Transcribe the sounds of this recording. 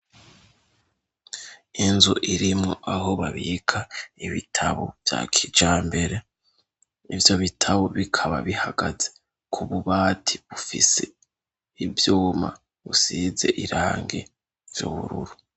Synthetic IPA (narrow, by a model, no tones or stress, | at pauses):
inzuʔiɾimŋoʔaɦo̞βaβiːkʰaiβitʰaβo̞̰v̥ja̰ːkʰid͡ʒaːmbe̞ɾe̞ | ivjo̞βitʰaβo̞βikʰaβa̰βihaɡaze | kʰuβuβaːtʰiβufise̞ | ivjuːma̰ | βusize̞̰ʔiɾaːŋɡe̞ | vjo̰ːβṵɾṵɾu